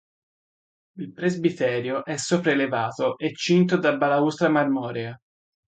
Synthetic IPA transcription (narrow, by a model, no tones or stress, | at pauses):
ilpɾezbit̪ɛːɾjoʔɛsːɔːpɾaelevaːt̪oʔet͡ʃːint̪od̪abːalaust̪ɾamarmɔːɾɛa